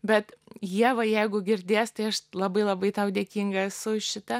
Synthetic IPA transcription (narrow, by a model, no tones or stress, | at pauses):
bʲɛt̪jiɛʋɐjɛɪɡʊɡʲɪɾʲd̪ʲeːst̪ɐɪɐʃlˠɐbɐɪlˠɐbɐɪt̪ɐʊdʲeːkʲiŋɡɐsʊʃʲɪt̪ɐ